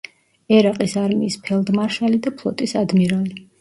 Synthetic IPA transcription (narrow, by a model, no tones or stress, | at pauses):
ɛɾaqʼisaɾmiːspʰɛlˠd̪maɾʃalid̪apʰlˠɔ̰t̪ʼisad̪miɾali